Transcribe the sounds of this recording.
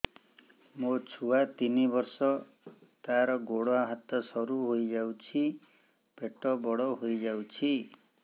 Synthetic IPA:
mot͡ʃʰuat̪inibɔɾsɔ | t̪aɾɔɡoɽɔɦat̪ɔsɔɾuɦojd͡ʒawt͡ʃʰi | peʈɔbɔɽɔɦojd͡ʒawt͡ʃʰi

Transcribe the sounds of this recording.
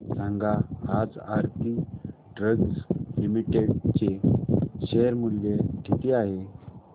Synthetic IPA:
sãŋɡaad͡za̰ɾt̪i | ɖɾəɡslimiʈeɽt͡ɕe | ɕeɾmuljeɡ̪ʱit̪iaɦe

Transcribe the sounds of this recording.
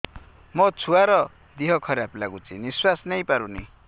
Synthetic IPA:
mʌt͡sʰuaɾʌ | d̪iɦʌkʰʌɾjaplaɡut͡siniswasnʌjpaɾuni

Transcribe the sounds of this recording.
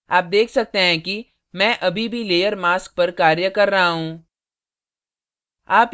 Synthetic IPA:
aːp̚d̪eːkʰsɐk̚t̪eɦɛ̃ki | mɛ̃ːʔɐbʱibʱileːjəɾmaːsk̚pɐɾkaːɾjəkɐɾːɐɦaɦũː | aːp

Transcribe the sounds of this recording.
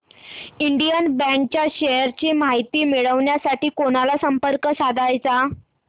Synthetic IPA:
iɳɖijənbɛ̃ŋk̚t͡ɕjaɕeəɾt͡ɕiːmaɦit̪iːmiɭəʋɳjasaʈiːkonalasəmpəɾkəsad̪ʱajt͡sa

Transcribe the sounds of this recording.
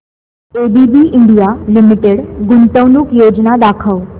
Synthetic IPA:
ebibiʔiɳɖijalimiʈeɽɡunt̪əʋnukjod͡ʒnad̪akʰəʋ

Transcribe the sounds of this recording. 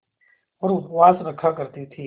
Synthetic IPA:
ɐɾuwaːsnɐkʰakɐɾt̪it̪ʰiː

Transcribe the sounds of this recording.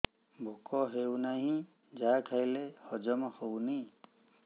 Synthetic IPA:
bʱokɔɦewnaɦĩ | d͡ʒakʰajlehɔd͡ʒɔmaxowni

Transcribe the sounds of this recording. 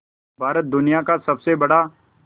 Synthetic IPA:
bʱaːɾət̪̚d̪ʊnijakasɐbsebɐɽa

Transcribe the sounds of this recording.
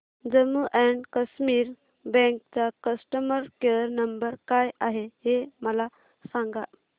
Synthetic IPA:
d͡zəmuʔɛɳɖkəsmiːɾ | bɛ̃ŋkt͡sakəsʈəməɾkeɾnəmbəɾkajaɦeɦeməla | sãŋɡa

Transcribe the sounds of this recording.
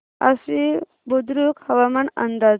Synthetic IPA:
ɐ̰si | bud̪ɾukhɐʋamɐnɐ̰nd̪a

